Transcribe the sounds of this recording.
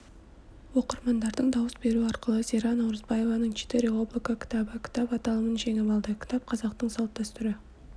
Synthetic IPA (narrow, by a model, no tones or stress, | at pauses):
wo̞qəɾmɑnd̪ɑɾd̪əɴd̪ɑwəsbe̞ɾuɑɾqəlˠəz̥ʲeɾɑnɑwɾəzbɑje̞vɑnəɴt͡ʃʰi̥t̪eɾublˠikakʲʰɪ̥t̪ɑbəkʲʰɪ̥t̪ɑpɑt̪ɑlˠəmənʒe̞ŋemɑlˠd̪əkʰʲɪ̥t̪ɑp̚qʰɑzɑq̚t̪əɴsɑlˠt̪ːɑst̪ʏɾɪ